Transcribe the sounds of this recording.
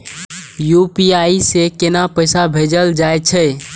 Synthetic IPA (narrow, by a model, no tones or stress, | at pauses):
jupiaisekenapəjsabʱed͡ʒəld͡ʒajt͡ʃʰə